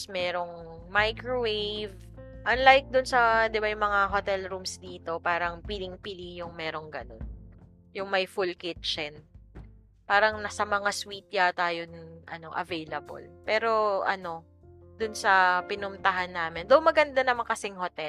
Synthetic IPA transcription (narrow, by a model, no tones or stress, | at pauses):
smɛːɾo̞ŋ | majkɹowejv | ʔɐnlajk̚d̪ʊnsɐd̪ɪbajʊŋmɐŋaɦot̪ɛlɾuːmsd̪iːt̪o̞paːɾɐŋpɪlɪŋpɪlijʊŋmɛːɾo̞ŋɡɐ̰no̞̰n | jʊŋmɐjfulkɪt̪̚t͡ʃɛn | paːɾɐŋnɐsɐmɐŋaswiːt̪̚jat̪ajʊnʔɐ̰no̞ʔɐ̰vejlɐbo̰lpɛːɾo̞ʔɐ̰no̞ | d̪ʊnsɐpɪnʊmt̪ɐɦanːaːmɪnd̪ɐwmɐɡɐnd̪anɐmankɐsɛŋɦot̪ɛl